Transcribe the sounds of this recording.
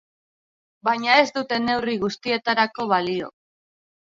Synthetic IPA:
bajɲae̞zd̪ut̪e̞ne̞wriɣ̞ust̪ie̞t̪aɾako̞β̞alio̞̰

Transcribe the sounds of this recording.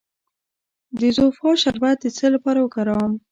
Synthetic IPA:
d̪əzofɑʃaɾbat̪̚d̪ət͡səlapɑɾawəkaɾɑwm

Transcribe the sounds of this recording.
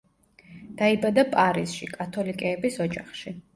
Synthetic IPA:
d̪̥aibad̪apʼaɾisʃḭkʼat̪ʰɔlikʼɛːbisɔd͡ʒaχʃi

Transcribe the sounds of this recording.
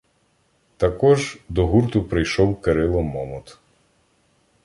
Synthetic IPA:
t̪ɐkɔʒd̪ɔɦuɾt̪ʊpɾɪjʃɔwkeɾɪlˠɔmɔmɔt̪

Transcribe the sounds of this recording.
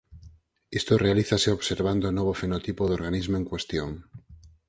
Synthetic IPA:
est̪orealiθaseoβseɾβ̞and̪onoβ̞ofenot̪ipoðoɾɣanizmoeŋkwest̪joŋ

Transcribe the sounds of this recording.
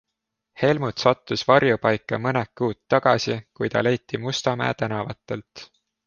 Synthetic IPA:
he̞lmut̪sɑt̪ːusvɑrjupɑjkːˑɑmɤnekːuːt̪ːɑɡ̥ɑ̰sikujt̪ɑ̰le̞jt̪ːˑimust̪ɑmæ̰ːt̪ænɑvɑt̪ːˑe̞lt̪

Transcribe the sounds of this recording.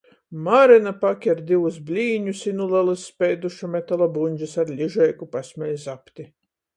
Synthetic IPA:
maɾɛnapakʲaɾd̪ʲiwusblʲiːɲusinulˠɛlˠɨsːpʲɛjd̪uʃamʲɛt̪alˠabunʲd͡ʒisaɾlʲiʒɛjkupasʲmʲɛjʲzapt̪ʲi

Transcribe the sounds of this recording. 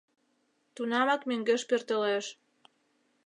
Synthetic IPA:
t̪unɑmɑkmøŋɡeʃpørt̪əleʃ

